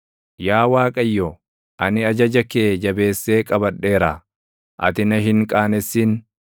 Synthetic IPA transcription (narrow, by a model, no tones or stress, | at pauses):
jaːwaːkʼɐjːo | ʔɐnɪɐd͡ʒɐd͡ʒɐkeːd͡ʒɐbe̞ːsːe̞ːkʼɐbɐɗe̞ːɾa | ʔɐ̰t̪ɪnɐɦɪŋkʼaːnɛsːiːn